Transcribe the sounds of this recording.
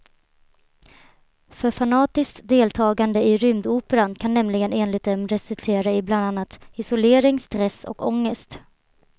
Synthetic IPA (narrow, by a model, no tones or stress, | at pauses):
fœɾfanɑːt̪ɪskt̪d̪eːlt̪ʰɑːɡand̪əɪɾʏmd̪uːpəɾankʰanːɛmlɪɡəneːnlɪɡt̪ɛmɾɛsɪt̪ʰeːɾaɪbland̪anːat̪ɪsʊleːɾɪŋst̪ɾɛsɔ̰kɔŋːəst̪